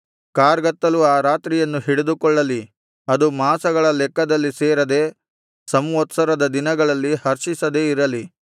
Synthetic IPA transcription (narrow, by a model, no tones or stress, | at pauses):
kaːɾɡɐt̪ːɐluaːɾaːt̪ɾijɐnːuɦiɽed̪ukɔɭːɐli | ɐd̪umaːsɐɡɐɭɐlɛkːɐd̪ɐlːiseːɾɐd̪eː | sɐmʋɐt̪sɐɾɐd̪ɐd̪inɐɡɐɭɐlːihɐɾʃisɐd̪e̞ːiɾɐli